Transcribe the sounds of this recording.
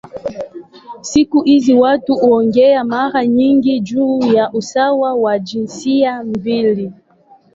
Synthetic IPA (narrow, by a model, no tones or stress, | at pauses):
sikuhiziwatuuɔŋɡɛamaɾaɲiŋɡid͡ʒuːjaʔusawawad͡ʒinsiamvili